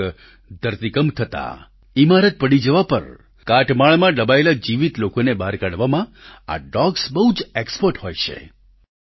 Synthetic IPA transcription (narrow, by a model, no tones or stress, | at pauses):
d̪ʱəɾt̪ikəmt̪ʰət̪a̰ | imaɾət̪̚pəɽid͡ʒəʋapə̰ɾ | kaʈmaɭmãɖəbaelad͡ʒiʋit̪lokonebaɾkaɽʋamãa̰ɖɔɡsbəɦud͡ʒekspəɾʈɦojt͡ʃʰḛ